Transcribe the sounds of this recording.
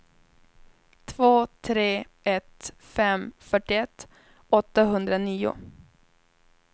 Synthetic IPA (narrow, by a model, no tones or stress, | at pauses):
t̪ʰvoːt̪ʰɾeː | ɛt̪ | fɛmfœʈɪɛt̪ː | ɔt̪ːaɦɵnd̪ɾaniːʊ̰